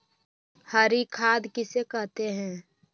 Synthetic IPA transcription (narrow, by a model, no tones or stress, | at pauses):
haːɾikʰaːd̪kɪsekɐɦt̪eɦɛ̃ː